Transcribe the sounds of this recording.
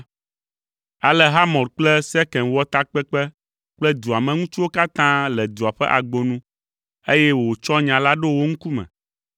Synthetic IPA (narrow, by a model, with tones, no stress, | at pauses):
a˨lɛ˨ɦa˦mɔ̃˨ɾk͡plɛ˦sɛ˦kɛ̃˨nwɔ˦t̪a˦k͡pɛ˦k͡pɛ˦ | k͡plɛ˦d̪u˨a˨mɛ̃˨ŋũ˦t͡ʃu˦wo˦ka˦t̪ã˦lɛ˨d̪u˨a˨ɸɛ̰˦ʔa˨ɡ͡bo˨nũ˦ | e˦jɛ˦wo˨wo˨t͡ʃɔ˦ɲã˨la˦ɖo˦wo˦ŋ̩˦ku˦mɛ̰̃˨